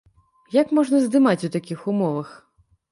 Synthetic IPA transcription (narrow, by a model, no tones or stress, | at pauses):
jakmɔʐnɐzd̪ɨmat͡sʲut̪akʲixumɔvɐx